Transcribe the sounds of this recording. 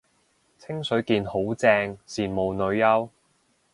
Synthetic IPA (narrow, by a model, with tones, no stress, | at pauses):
t͡sʰɪ˥ŋsɵ˨˥ɥkiː˧nho˨˥wt͡sɛː˧ŋsiː˨˩nmo˨wnɵ˨˧ɥjɐ˥w